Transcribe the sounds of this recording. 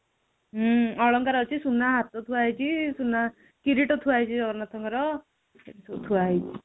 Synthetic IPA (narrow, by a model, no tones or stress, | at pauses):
ɦʌɭʌŋkaɾʌt͡ʃʰisunːaɦat̪ɔt̪ʰuajt͡sʰisunːa | kiɾiʈʌt̪ʰuajt͡ʃʰiʌɡʌɾnat̪ʰɔŋkaɾʌ | etisot̪ʰuaj